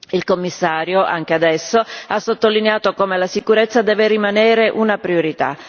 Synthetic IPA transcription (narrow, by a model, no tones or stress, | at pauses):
ilkomːisːaːɾjoʔa̰ŋk̟ead̪ɛsːoasːot̪ːolineaːt̪okoːmelasikuɾet̪sːad̪ɛːveɾimanɛːɾeʔunapɾioɾit̪a̰